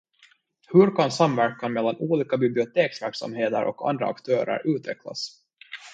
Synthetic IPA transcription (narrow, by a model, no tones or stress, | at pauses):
hɵɾkʰansamvæɾkanmɛlːanuːliːkabɪblɪʊt̪ʰeːksvæɾksa̰mɦeːt̪əɾʔɔ̰ka̰nd̪ɾa̰a̰kt̪ʰœːɾə̰ɾʔʉ̟ːt̪vɛkʰla̰s